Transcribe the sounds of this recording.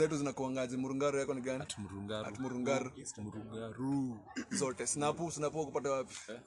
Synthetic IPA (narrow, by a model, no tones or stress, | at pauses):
ɛtuzinakuwaŋɡad͡zimuɾuŋɡaɾɔjakɔniɡania̰tumuɾuŋɡaɾu | zɔtɛsinapusinapuwakupatawapi̥